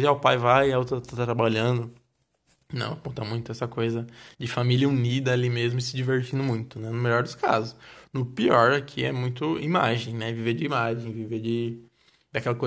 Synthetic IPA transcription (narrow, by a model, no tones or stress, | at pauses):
ziaʊpajvajaot̪ɾɐt̪at̪at̪ɾabaʎɐ̃d̪ʊ | nɐ̰̃w̃apõt̪ɐmũj̃t̪ʊɛsɐkojzɐd͡ʒɪfamilʲjɐunid̪ɐalimezmʊɪsɪd͡ʒiveɾt͡ʃĩnd̪ʊmũj̃t̪ʊnɛnʊmeʎɔɾd̪ʊska̰zʊsnʊpiɔɾakʰiɛ̰mũj̃t̪ʊimaʒẽj̃nɛviveɾd͡ʒɪimaʒẽj̃viveɾd͡ʒɪ | d̪akɛlɐko